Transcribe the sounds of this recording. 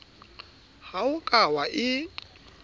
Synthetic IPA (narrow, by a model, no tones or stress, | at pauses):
haʊkʼawaʔɪ